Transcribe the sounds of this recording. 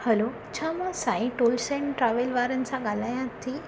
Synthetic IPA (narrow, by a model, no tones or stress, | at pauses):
həlo | t͡ɕʰamasaĩʈolsẽɳʈɾaʋelʋaɾənt͡saɡalajãt̪ʰːi